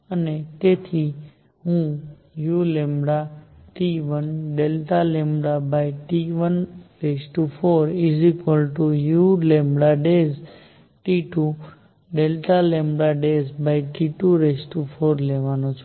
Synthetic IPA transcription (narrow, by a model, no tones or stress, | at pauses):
ənet̪et̪ʰi | ɦũ | julemɽaʈiʋənɖelʈ̪alɛ̃mbɽabajʈiʋənɾesʈufoɾizikəlʈujulẽmbɽaɖez | ʈiʈu | ɖelʈalembɽaɖezbaiʈiʈuɾesʈufoɾlɛʋanũt͡ʃʰu̥